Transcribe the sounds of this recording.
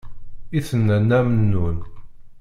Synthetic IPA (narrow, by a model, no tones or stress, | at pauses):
iθənːænːæmənːun